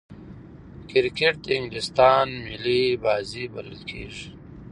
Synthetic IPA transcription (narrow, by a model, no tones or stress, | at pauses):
kiɾkeʈ̚t̪ɪŋɡlist̪aːnmilibaːzibɐlə̰lkʰḛːʐi